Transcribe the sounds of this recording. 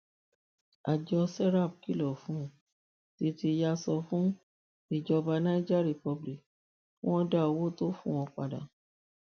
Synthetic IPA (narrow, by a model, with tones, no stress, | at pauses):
a˨d͡ʒɔ˧sɛ˦ɾa˦˨b̚ki˦lɔ˦˨fũ˨˦˨ | ti˧ti˧ja˧sɔ˧fũ˦ | i˦˨d͡ʒɔ˧ba˧nã˦i˦d͡ʒɛ˦˨ɾi˦˨pɔ˧bli˨k | fũ˦ɔ̃˦da˦˨o˨wo˦to˦fũ˦˨w̃ɔ̃˧k͡pa̰˧˨dã̰˨